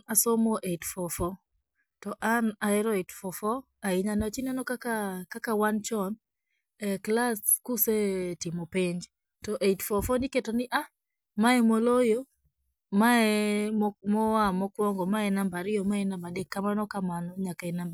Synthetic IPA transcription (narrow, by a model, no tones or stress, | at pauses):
asomɔʔetfɔfɔ | tɔʔanaɛɾɔitfɔfɔ | aiɲanat͡ʃinanɔkakakakawant͡ʃɔn | ɛklaskusetɪmɔpeɲd͡ʒ | tɔʔetfɔfɔnɪketonɪʔa | maɛmolojo | maɛ | mɔamɔkwɔŋɡɔmaɛnambaɾɪɔmaɛnambadekːamanɔkamanɔɲakaɛnamba